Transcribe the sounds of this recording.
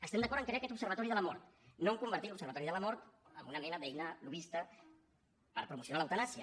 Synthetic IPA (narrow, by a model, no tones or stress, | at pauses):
əst̪ɛmd̪əkɔɾəŋkɾeakɛt̪upsəɾβət̪ɔɾiðələmɔɾt̪nomkumbəɾt̪itlupsəɾβət̪ɔɾiðələmɔɾt̪ə̰mbunəmɛnəðɛjnəluβist̪ə | pə̰ɾpɾumusiunaləwt̪ənasiə